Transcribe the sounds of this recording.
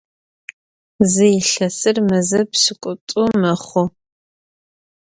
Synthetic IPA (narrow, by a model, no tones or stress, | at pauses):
zɨjɪɬɐsɨrmɐzɐpsɨkʷʼʊtʼʊmɐχʷʊ